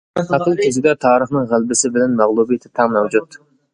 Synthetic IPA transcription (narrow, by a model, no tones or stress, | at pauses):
ɑqəlˠkʲʰezɪd̪ɛt̪ʰɑːɾəχnɨŋʁælˠbɪsɪbɪlɛnmæʁlˠubijt̪ʰɪ̥t̪ʰɑmɛwd͡ʒut̪